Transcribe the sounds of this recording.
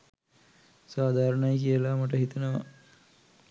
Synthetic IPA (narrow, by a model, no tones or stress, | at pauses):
saːd̪ʱaːɾəɳajkijəlamaʈ̬əɦit̪ənəʋa̰